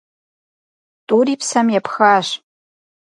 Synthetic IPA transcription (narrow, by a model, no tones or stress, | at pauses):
tʼuɾipʰsamjapʰxaʃ